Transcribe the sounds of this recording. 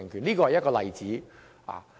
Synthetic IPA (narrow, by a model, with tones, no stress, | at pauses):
ŋkʰyː˨˩niː˥kɔ˧hɐ˨jɐ˥t̚kɔː˧lɐ̰˨jt͡siː˨˥ | a̰ː˨